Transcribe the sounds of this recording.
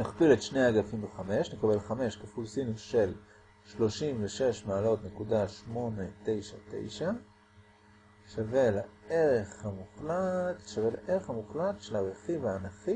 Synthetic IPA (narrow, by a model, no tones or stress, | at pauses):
naχpiletʃneaaɡafimbeχame̞ʃnekabe̞lχame̞ʃkefulsiniʃe̞l | ʃlo̞ʃimveʃe̞ʃmaːlo̞tnekudaʃmo̞ne̞te̞jʃa̰te̞̰jʃa | ʃavelaeʁeχhamuχlatʃavelaʔeʁe̞χhamuχlatʃelaʁeχivaːnaχi